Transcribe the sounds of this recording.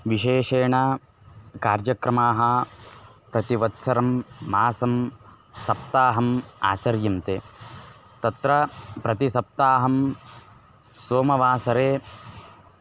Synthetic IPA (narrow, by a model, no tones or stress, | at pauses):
ʋiʃeːʃeːɳɐ | kaːɾd͡ʒɐkɾɐmaːɦɐ | pɾɐt̪iʋɐt̪sɐɾɐmːaːsɐm | sɐp̚t̪aːɦɐma̰ːt͡ʃɐɾjɐmt̪eː | t̪ɐt̪ɾɐpɾɐt̪isɐp̚t̪aːɦɐm | soːmɐʋaːsɐɾeː